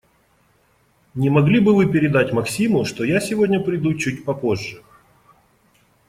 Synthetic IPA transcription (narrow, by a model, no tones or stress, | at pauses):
nʲɪmɐɡlʲibɨvɨpʲɪɾʲɪd̪atʲmɐksʲimʊʂt̪o̞jasʲɪvo̞dʲnʲəpɾʲɪd̪ut͡ɕut̚ʲpɐpo̞ʐːə